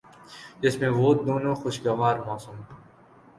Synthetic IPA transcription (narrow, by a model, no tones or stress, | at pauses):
ɪsmẽʋoːt̪̚d̪oːnõːxʊʃɡɐʋaːɾmaːsuːm